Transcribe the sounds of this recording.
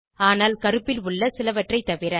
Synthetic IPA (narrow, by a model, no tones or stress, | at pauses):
aːnaːlkɐɾɯpːɪlʊɭːɐsɪlɐʋɐʈrɐɪt̪ːɐʋɪɾɐ